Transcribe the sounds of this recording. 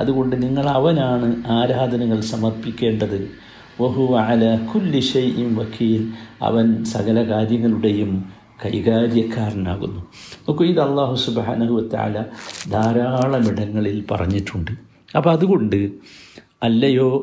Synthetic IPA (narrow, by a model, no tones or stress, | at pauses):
ɐðuɣo̞ɳɖɨniŋːɐɭɐʋɐnaːɳɨaːɾaːd̪ʱɐnɐŋːɐɭsɐmɐrpikʲːe̞ːɳɖɐðɨ | ʋɐɦuʋɐʕalaːkulːiʃɐjʔinʋɐkʰiːlɐ̰ʋɐnsɐɣɐlɐkaːɾjɐŋːɐɭuɽe̞jum | kɐjɣaːɾjɐkʰːaːrna̰ːɣṵnːuokːɐiðɐlˠːɑːɦusubħa̰ːnɐɦuʋɐt̪ɐ̰ʕa̰ːlɐd̪ʱaːɾaːɭɐmiɽɐŋːɐɭilpɐ̰rɐ̰ɲːiʈːuɳɖɨ | ɐpːɐɐðuɣo̞ɳɖɨ | ɐlːɐjo̞ː